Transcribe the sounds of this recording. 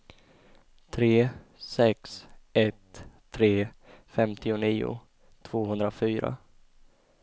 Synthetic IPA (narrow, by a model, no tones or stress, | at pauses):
t̪ʰɾeː | sɛksɛt̪ʰː | ɾeː | fɛmt̪ʰɪʊniːʊ̰ | t̪ʰv̥oːhɵnd̪ɾafyːɾa̰